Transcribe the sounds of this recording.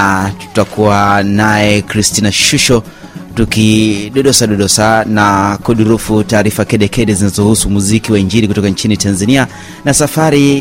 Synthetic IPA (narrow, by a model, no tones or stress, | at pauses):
tu̥takʰuanaɛkɾistinaʃuʃɔ | tukiɗɔɗɔsaɗɔɗɔsanakuɗuɾufutaːɾifakɛɗɛkɛɗizinazɔhusumuzikiwaiɲd͡ʒiɾikutɔkant͡ʃinitanzania | nasafaɾi